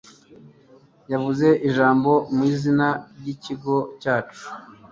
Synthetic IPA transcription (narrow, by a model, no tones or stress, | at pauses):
javuze̞ʔiʒaːmbo̞miːzinaɾɟiciɡo̞caːt͡ʃu̥